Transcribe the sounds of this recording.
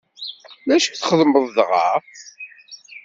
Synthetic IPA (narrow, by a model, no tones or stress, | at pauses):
ðæʃə̥kθχəðməðˤðʁɑ̰ɾ